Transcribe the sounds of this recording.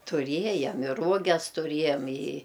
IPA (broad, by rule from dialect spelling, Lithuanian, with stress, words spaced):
tʊˈrʲiɛjɛm ɪr ˈruɔɡʲɛs tʊˈrʲiɛjɛm ɪ